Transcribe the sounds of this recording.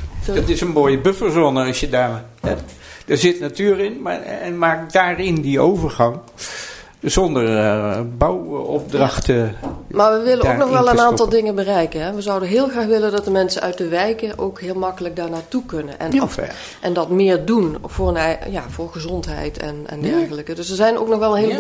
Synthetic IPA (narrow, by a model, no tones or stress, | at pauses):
dɑtɪsənmoːjəbøfəlzoːnəɑsjədaːr | ɛ | d̥aːɹzɪtnatyːrɪnma̰ɛnmaːkdaːrɪndiowvəɹɣɑŋ | zɔndərbawɔp̚drɑxtmaːɹʋəʋɪlənoknɔxʋɛlˠənaːntɑlˠdɪŋənbərɛjkənɦɛʋəzʌwdəɦɪːlˠxraːxʋɪləndɑt̚dəmɛnsəʔœɥt̚dəʋɛjkəʔo̰wkɦɪːlˠmɑkələk̚daːɹnaːtukɵnənʔɛ̰nf | ʔɛndɑtmɪːɹdunv̥ʊːrənja̰ːv̥ʊːɹɣəzɔntɦɛ̰jtʰɛ̰nɛ̰ndɛɹxələkədɵsəɹzɛjno̰wknɔxʋɛlˠənɦɪl